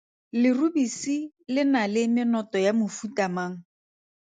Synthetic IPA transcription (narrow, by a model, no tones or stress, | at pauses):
lɪrubisi | lɪnalɪmɪnɔtɔjamʊfutamaːŋ̩